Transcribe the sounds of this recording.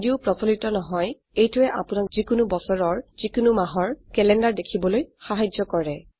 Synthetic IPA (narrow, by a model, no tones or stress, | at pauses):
diupɹɔsɔlitɔnɔɦɔj | ejtʊɛʔa̰pʊnak̚z̥ikʊnubɔsɔɹɔɹz̥ikʊnumaɦɔɹkɛlɛndaɹdekʰibɔlojxaɦad͡ʒɔkɔɹɛ